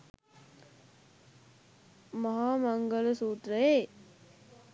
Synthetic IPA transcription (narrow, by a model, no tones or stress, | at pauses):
mɐɦaːmaŋɡələsuːt̪ree